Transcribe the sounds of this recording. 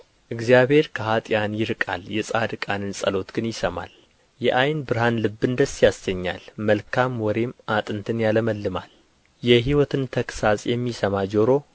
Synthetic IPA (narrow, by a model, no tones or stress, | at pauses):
ʔɨɡzijaβhe̞ɾkʰəɦat̪ʼjanjɪɾkʼa̰ljɛsʼad̪ɨkʼanɨnsʼə̰lo̞t̪ɡ̥ɨnjɪsəma̰l | jɛʔajnbɨɾhanlɨbːɨnd̪əsːjasəɲːa̰lməlkʰamwɔɾe̞mʔat̪ʼɨnt̪ʰɨnjaləməlːɨma̰l | jɛɦiwɔt̪ʰɨnt̪ʰəksasʼjɛmːisəmad͡ʒo̞ɾo̞